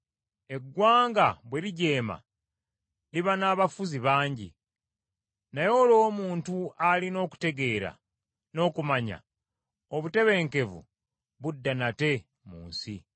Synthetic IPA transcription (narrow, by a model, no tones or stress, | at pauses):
e̞ɡwaːŋɡaβwe̞ɾiɟe̞ːma̰ | liβanaːβafuziβaːɲɟḭ | najo̞ːlo̞ːmuːntualino̞ːku̥te̞ɡe̞ːɾa̰ | no̞ːkumaɲa̰ | oβute̞βe̞ːŋke̞vṵ | βudːanate̞ | muːnsi